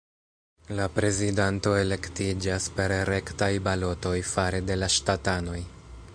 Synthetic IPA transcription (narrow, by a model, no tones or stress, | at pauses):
lapɾe̞zidanto̞e̞le̞ktid͡ʒaspe̞ɾɾe̞ktajbalo̞to̞jfaɾe̞de̞laʃtatano̞j